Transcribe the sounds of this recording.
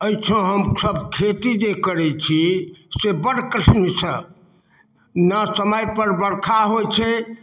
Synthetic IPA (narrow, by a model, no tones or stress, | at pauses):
əjt͡ʃʰõɦəmsəbkʰet̪id͡ʒekəɾɛt͡ʃʰisebəɽkɾəʈʰnisə | nəsəməjpəɾbəɽkʰaɦojt͡ʃʰɛ